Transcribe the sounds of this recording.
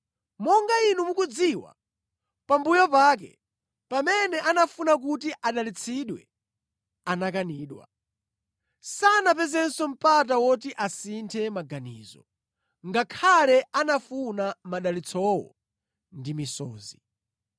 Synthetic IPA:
mɔŋɡainumukud͡ziwa̰ | pambujɔpaːk̬ɛ̰ | pamɛnɛʔanafunak̬utiʔaɗalit͡sʰiɗwɛ̰ | anakaniːɗwa̰ | sanap̬ɛzɛnsɔm̩patawɔtiʔasintʰɛmaɡanḭːzɔ̰ | ŋɡakʰalɛanafunamaɗalit͡sʰɔwɔ̰ | ndimisɔ̰ːzi

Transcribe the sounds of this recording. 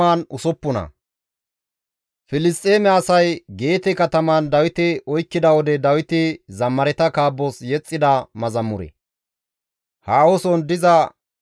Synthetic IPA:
aːnʊsɔpːʊnɐ̰ | fɪlɪst̪ʼːe̞ːmɛɐsɐjɡe̞ːt̪ɛkɐt̪ɐmɐnd̪ɐwɪt̪ɪɔjkːɪd̪ɐwɔd̪ɛd̪ɐwɪt̪ɪzɐmːɐɾɛt̪ɐkaːbːɔsjɛt͡sʼːɪd̪ɐmɐzɐmːʊ̰ɾɛ̰ | haːwɔsɔnd̪ɪzɐ

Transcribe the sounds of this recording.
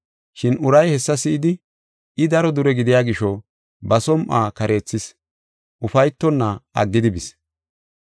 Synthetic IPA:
ʃɪnʊɾɐjhɛsːɐsɪʔɪd̪ɪ | ɪd̪ɐɾɔd̪ʊɾɛɡɪd̪ɪjaːɡɪʃɔ | bɐsɔmʔaːkɐɾʔe̞ːt͡sːɪs | ʔʊfɐjt̪ːɔnːɐɐ̰ɡːɪd̪ɪbɪs

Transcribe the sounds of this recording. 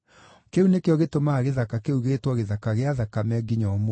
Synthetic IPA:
keunekeɔɣetomaɣeðakakeuɣetwɔɣeðakaɣeaðakamɛɡiɲɔmo

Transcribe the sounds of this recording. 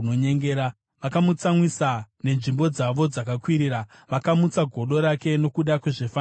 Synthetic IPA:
oɲeŋɡeɾa | ʋakamut͡samwisane̞nʐimbo̞d͡zaʋo̞d͡zakakwiɾiːɾa | ʋakamut͡saɡʱo̞ɗo̞ɾake̞no̞kuɗakweʐefa

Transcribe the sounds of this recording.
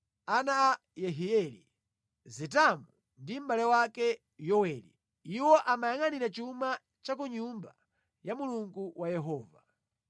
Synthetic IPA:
anaː | jɛɦiɛlḭ | zitamu | ndim̩balɛwakɛ | jɔwɛlḭ | iwɔʔamajaŋaniɾat͡ʃuma | t͡ʃak̬uɲumba | jamuluŋɡuwʔajɛɦɔːva

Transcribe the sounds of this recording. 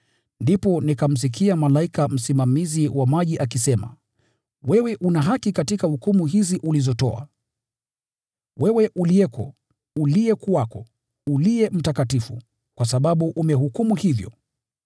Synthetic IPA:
ndipɔnikam̩s̬ik̬ʰiamalaikam̩simamiziwamaʄiʔakisɛma̰ | wɛwɛʔunaɦakikatikahukumuɦiziʔulizɔtɔ̰a̰ | wɛwɛʔuliɛkɔ | uliɛkuwakɔ | uliɛm̩takatifṵ | kwasaɓaɓuʔumɛhukumuhivjɔ̰

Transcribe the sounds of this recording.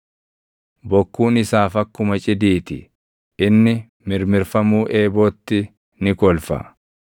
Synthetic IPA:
bɔkːuːnɪsaːfɐkːʊmɐt͡ʃʼɪd̪iːt̪ɪ̰ | ɪnːɪ | mɪɾmɪɾfɐmuːʔeːboːt̪ːɪ | nɪkɔlfɐ̰

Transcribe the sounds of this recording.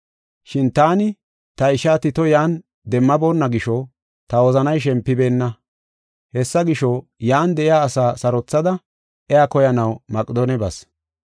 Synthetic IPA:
ʃɪnt̪aːnɪ | t̪ɐɪʃaːt̪ɪt̪ɔjaːn | d̪ɛmːɐboːnːɐɡɪʃɔ | t̪ɐwɔzɐnɐjʃ̬ɛmpːɪbe̞ːnːɐ | hɛsːɐɡɪʃɔjaːnd̪ɛʔɪjaːsaːsɐɾɔt͡sːɐd̪ɐ | ʔɛjakɔjɐnɐwmɐkʼɪd̪oːnɛbɐs

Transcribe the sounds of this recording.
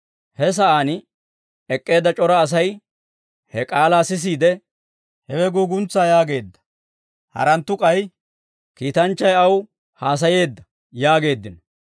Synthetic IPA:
hɛs̬ɐʔaːn | ɛkʼːe̞ːd̪ːɐt͡ʃʼɔɾɐːs̬ɐj | hɛkʼaːlaːsɪs̬iːd̪ɛ | hɛwɛɡuːɡʊnt͡sːaːjaːɡe̞ːd̪ːɐ̥ | hɐ̰ɾɐnt̪ːʊkʼɐj | kiːt̪ɐnt͡ʃːɐjɐw | haːs̬ɐje̞ːd̪ːɐ | jaːɡe̞ːd̪ːɪn

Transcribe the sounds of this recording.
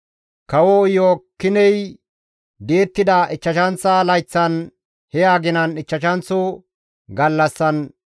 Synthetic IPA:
kɐwɔjoːkːɪnɛj | d̪e̞ːt̪ːɪd̪ɐʔɪt͡ʃːɐʃɐnt͡sːɐlɐjt͡sːɐn | hɛjaːɡɪnɐnɪt͡ʃːɐʃɐnt͡sːo | ɡɐlːɐsːɐn

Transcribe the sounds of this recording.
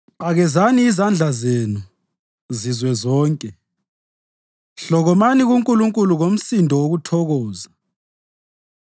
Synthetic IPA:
ɓaɣɛzaniːzand͡ɮʱazenu | zizwɛzɔːŋkʼɛ | ɬɔɣɔmaniɣuŋkʼuluŋkʼuluɣom̩sindʱɔwoɣutʰɔɣɔːza

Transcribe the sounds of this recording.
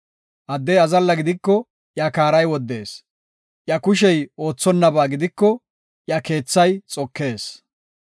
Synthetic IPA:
ʔɐd̪ːɛjɐzɐlːɐɡɪd̪ɪkːɔ | ʔjakaːɾɐjwɔd̪ːe̞ːs | ʔjɐkʊʃ̬ɛjo̞ːt͡sːɔnːɐbaːɡɪd̪ɪkːɔ | ʔjɐke̞ːt͡sːɐjt͡sʼɔkːe̞ːs

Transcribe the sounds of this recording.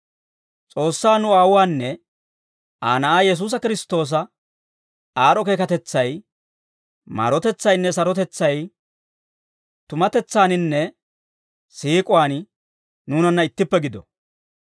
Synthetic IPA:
t͡sʼo̞ːsːaːnʊaːwwaːnːɛ | aːnɐʔaːjɛs̬uːs̬ɐkɪɾɪst̪o̞ːs̬ɐ | aːɾɔke̞ːkɐt̪ɛt͡sːɐj | ma̰ːɾɔt̪ɛt͡sːɐjnːɛsɐɾɔt̪ɛt͡sːɐj | t̪ʊmɐt̪ɛt͡sːaːnɪnːɛ | siːkʼʊwaːn | nuːnɐnːɐɪt̪ːɪpːɛɡɪd̪ɔ̰

